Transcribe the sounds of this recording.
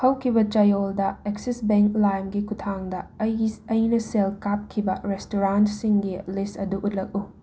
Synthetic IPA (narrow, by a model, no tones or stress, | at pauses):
hɐwkʰibɐt͡ʃɐjoldɐeksisbeŋklajmɡikutʰaŋdɐɐjnɐselkap̚kʰibɐɾestoɾantsiŋɡilisɐduʔut̚lɐk̚u